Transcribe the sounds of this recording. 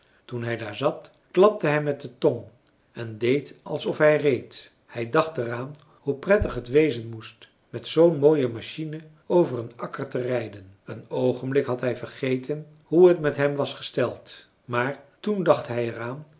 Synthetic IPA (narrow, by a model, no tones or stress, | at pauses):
tunɦɛjdaːɹzɑt | klɑp̚təɦɛjmɛt̚dətɔn | ɛndejtɑlˠsɔfɦɛjrejt | hɛjdɑχtəraːn | huprɛtəχɦətʋejzənmust | mɛtsownmoːjəmaʃinə | owvərənɑkəɹtərɛjdənənowχənblɪkɦɑtɦɛjvərχejtən | ɦuətmɛtɦɛmʋɑsχə̥stɛlˠt | maːɹtundɑχtɦɛjɛraːn